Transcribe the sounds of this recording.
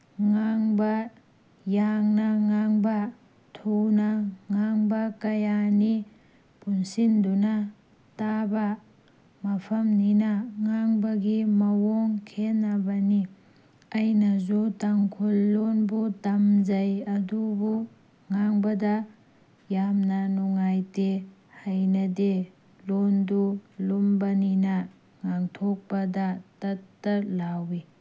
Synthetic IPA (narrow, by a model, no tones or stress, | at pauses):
ŋaŋbɐ | jaŋnɐŋaŋbɐ | tʰunɐŋaŋbɐkɐjani | punsindunɐ | tabɐ | mɐpʰɐmninɐŋaŋbɐɡimɐwoŋkʰenːɐbɐni | ɐjnɐzotaŋkʰulːonbutɐmzɐjɐdubu | ŋaŋbɐdɐ | jamnɐnuŋajte | hajnɐde | londulumbɐninɐ | ŋaŋtʰok̚pɐdɐtɐtːɐlawi